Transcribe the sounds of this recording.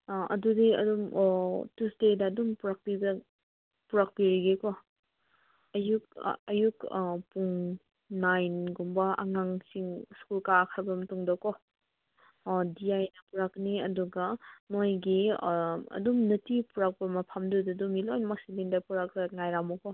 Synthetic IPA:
ɐ̰dudiɐ̰dumtustedɐːdumpuɾak̚pibɐ | puɾak̚piɾiɡekɔ | ɐjuk̚ɐjukpuŋ | najnɡumbɐɐ̰ŋaŋsiŋskulkakʰaɾbɐmɐtuŋdɐkɔ | diajnɐpuɾakniɐduɡɐmojɡi | ɐ̰dumnɐtipuɾak̚bɐmɐpʰamdudidumilojnmak̚silindapuɾak̚daŋajɾamɔkɔ

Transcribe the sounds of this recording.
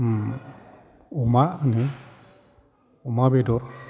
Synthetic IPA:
ɔmanɯ | ɔmabɛdɔɾ

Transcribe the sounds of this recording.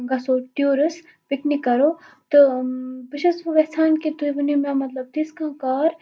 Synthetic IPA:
ɡɐsoːʈjoːɾɐs | pɪknikːɐɾoː | t̪ɨbɪʃɐsɐʋɐsʰaːnkit̪uʋnimãːmɐt̪lɐb̚t̪iskãːkaːɾ

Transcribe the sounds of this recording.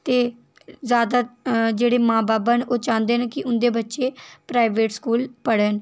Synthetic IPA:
t̪eː | zjaːd̪aːd͡ʒeːɽeːmãːbaːbənʔoːt͡ʃãːnd̪eːnekɪʔʊnd̪eːbətːʃeːpɾaːiʋeːʈskuːlpəɽən

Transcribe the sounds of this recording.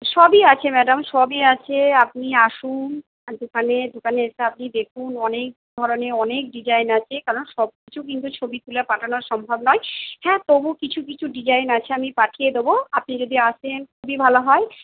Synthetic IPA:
ʃɔbiat͡ɕʰemɛɖamʃɔbiat͡ɕʰeap̚niaʃum | d̪okʰaned̪okaneeseap̚nid̪ekʰunɔnek̚d̪ʱɔɾoneɔnek̚ɖid͡ʑajnat͡ɕʰekaɾonʃɔb̚kit͡ɕʰuk̬int̪ut͡ɕʰobit̪ulapaʈʰanoɾʃɔmbʱabnɔehɛ̃t̪obukit͡ɕʰuk̬it͡ɕʰuɖid͡ʑajnat͡ɕʰeamipaʈʰijed̪eboapnid͡ʑod̪iaʃʰenkʰubibʱaloɦɔe

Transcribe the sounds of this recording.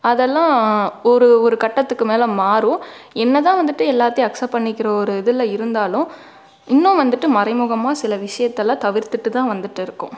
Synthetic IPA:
ɐðɛlːãːɔɾɯɔɾɯkɐʈːɐt̪ːɯkːɯmeːlɐ̃maːɾʊ̃ɛnːɐt̪ãːʋɐnd̪ɯʈːɯɛlːaːt̪ːiɐksɐpːɐɳːɪkːɪɾɐɔɾɯɛðɯlːɐɪɾɯnd̪aːlʊ̃ | ɪnːʊ̃ʋɐnd̪ɯʈːɯmɐɾɐɪmʊɣɐmaːsɪlɐʋɪʂɐjɐt̪ːɛlːãːt̪ɐʋɪɾt̪ɯʈːɯt̪ãːʋɐnd̪ɯʈːɯɪɾɯkːʊ̰̃

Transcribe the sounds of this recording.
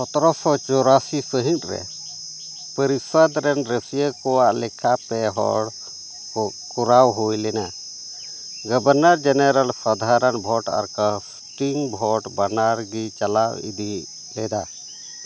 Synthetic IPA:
pɔt̪ɾɔsɔt͡ʃɔɾasisəɦĩt̪̚ɾɛ̰ | pəɾisəd̪ɾɛnɾəsijəkɔwaʔlɛkʰapɛɦɔ̰ɽ | kɔɾawɦojlɛna | ɡəbəɾnəɾd͡ʒɛnəɾəlsɔd̪ʱaɾənbʱɔʈa̰ɾkas | ʈiŋbʱɔʈbanaɾɡit͡ʃalawḭd̪i | lɛd̪a

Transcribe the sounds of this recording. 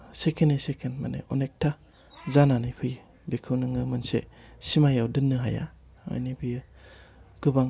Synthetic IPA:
sekʰenisekʰenma̰nḛʔɔnek̚tʰa | zananipʰɯj | bikʰɯwnɯŋɯmɯnsḛsimajawdɯnːɯɦaja̰ | a̰jnipʰɯjɯ | ɡ̥ɯbaŋ

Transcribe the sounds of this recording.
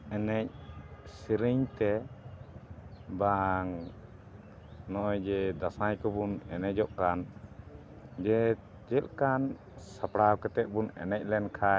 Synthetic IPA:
ɛnɛc̚siɾiɲt̪ɛ | baŋ | nɔʔɔjd͡ʒɛd̪asajkɔbunɛnɛd͡ʒɔʔkan | d͡ʒɛ | d͡ʒɛlkan | sapɽawkɛt̪ɛt̪̚ˀbunɛ̰nɛc̚ˀlɛnkʰa

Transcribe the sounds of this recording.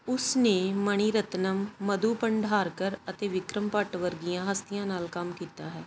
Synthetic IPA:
ʊsneːməɳ̃iːɾət̪nəmːəd̪uːpəɳɖʱɦaːɾkəɾət̪eːʋɪkɾəmpəʈʋəɾɡijãːɦəst̪ɪjãːnaːlkəmkiːt̪aːɦɛː

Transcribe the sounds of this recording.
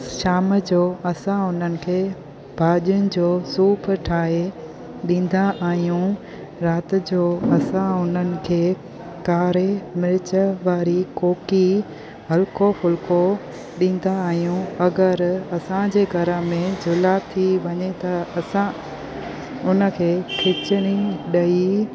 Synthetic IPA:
ʃaːmd͡ʑoːɐsãʊn̤ənɪ̆kʰeː | bʱaːʄʊnɪ̆d͡ʑoːsuːpʰʈʰaːɦe | ɗĩːn̆d̪aʔaːɦijũ | ɾaːt̪ɪd͡ʑoːɐsãʊn̤ənɪ̆kʰeː | kaːɾemɪlɪt͡ɕəʋaːɾikoːki | ɦɐlkʰofʊlko | ɗĩːn̆d̪aːɦijũɐɡəɾɐsãd͡ʑeːɡʱɐɾəmẽd͡ʑʱʊlat̪ʰiʋɐɲet̪ɐsã | ʊnə̆kʰeːkʰɪt͡ɕəɽ̃iɗɐi

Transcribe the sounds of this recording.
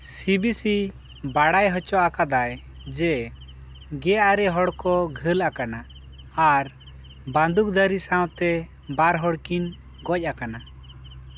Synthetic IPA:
sibisibaɽajɦɔt͡ʃɔʔakad̪ajd͡ʒɛ | ɡɛjʔaɾɛɦɔɽkɔɡʱəlakanaaɾband̪uk̚d̪əɾisãw̃t̪ɛbaɾɦɔɽkiɲɡɔc̚ˀʔakana

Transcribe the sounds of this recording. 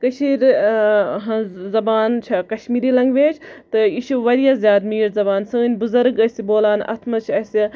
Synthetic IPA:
kɐʃiːɾ | ɦɐ̃zɐbaːnt͡ʃʰɐkɐʃmiːɾilɐŋɡʋeːt͡ʃʰt̪ɨiʃuʋɐɾijazʲjaːd̪miːɾzɐbaːnsɨːnʲbuzɐɾɡɐsʲiboːlaːnɐ̰t̪ʰmɐt͡ʃʰɐsʲi

